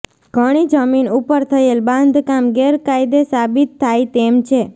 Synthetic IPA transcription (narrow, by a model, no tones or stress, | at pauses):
ɡ̥ʱəɽ̃id͡ʒəminupəɾt̪ʰəelbãnd̪ʱkamɡeɾkajd̪esabit̪ʰːajt̪emt͡ʃʰe